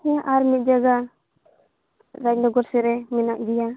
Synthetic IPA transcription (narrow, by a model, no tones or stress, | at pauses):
hɛ̃ʔaɾmit̪̚d͡ʒaɡa | ɾaɲdɔɡɔɾsɛɾɛminaʔd̪ija